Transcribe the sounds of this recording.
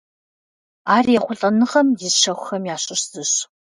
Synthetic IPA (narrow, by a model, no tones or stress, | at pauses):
aːrjɛχʷʊɬʼɐnɨʁɐmjɪzʃɐxʷʊxɐmjaːɕʼɪɕz̥ɨɕ